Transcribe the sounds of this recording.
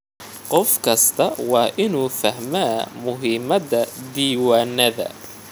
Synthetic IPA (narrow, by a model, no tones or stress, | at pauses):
qɔfkʰɐst̪ʰɐwɑːʔɪnuːfɐɦmaːmʊɦiːmɐðɐd̪iːwaːnɐðɐ̰